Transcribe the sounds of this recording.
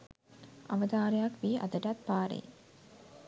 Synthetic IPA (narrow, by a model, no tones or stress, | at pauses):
ɐʋəd̪aːɾejakʋiːʔɐ̰d̪əʈat̪̚paːɾḛ